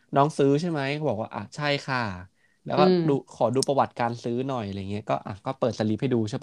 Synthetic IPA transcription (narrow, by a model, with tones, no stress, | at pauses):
nɔː˦˥ŋsɯː˦˥t͡ɕʰa˥˩jma˦˥jʰbɔː˨˩k̚waː˥˩ʔa̰˨˧˩t͡ɕʰa˥˩jkʰa˥˩ | lɛː˦˥wkɔː˥˩duː˧kʰɔː˩˦duː˧pɾa˧wa˨˩t̪̚kaː˧nsɯː˦˥nɔ˨˩jʔa˧ɾa˧ja˨˩ŋi˦˥ɐkɔː˥˩ʔa̰˨˩kɔː˥˩pɤː˨˩t̪̚sa˧li˦˥p̚ʰhduː˧t͡ɕʰa˥˩